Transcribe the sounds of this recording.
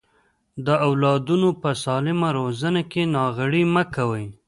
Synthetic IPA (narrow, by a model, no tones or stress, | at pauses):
d̪əawlɑd̪unopəsɑlɪmaɾozənakenɑɣəɽiməkawəj